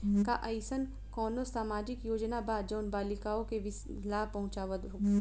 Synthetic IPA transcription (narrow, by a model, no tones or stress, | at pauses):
kaʔɐɪsən | kɔːnosaːmaːd͡ʒɪkjoːd͡ʒnabaːd̪d͡ʒɐːnbaːlɪkaːõkeʋɪs | laːpɐ̃ɦʊ̃t͡ʃaːʋəd̪o